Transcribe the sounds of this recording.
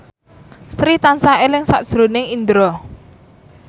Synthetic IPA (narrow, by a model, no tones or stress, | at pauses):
st̪ɾiht̪ansaelɪŋsa̰ʔd̥ʒ̥ɾo̤nɪŋind̪ɾɔ